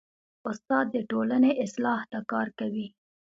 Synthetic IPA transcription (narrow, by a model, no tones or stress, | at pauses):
ʊst̪ɑd̪̚ːəʈolaneʔɪslɑht̪akɑɾkawi